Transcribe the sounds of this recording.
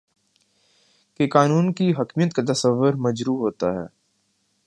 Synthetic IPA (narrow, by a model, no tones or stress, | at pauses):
kekaːnuːnkiɦɐkmijət̪̚kat̪̬ɐsəʋːʊɾmɐd͡ʒɾuːɦoːt̪aɦɛ̰ː